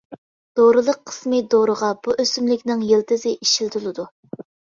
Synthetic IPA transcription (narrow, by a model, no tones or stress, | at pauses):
d̪̥oɾɨlˠəqʰːə̥smɨd̪oɾəʁɑbuʔøsymlɪkʲnɪŋjelt̪ɨzɪʔiʃilt̪ʰulˠɨd̪u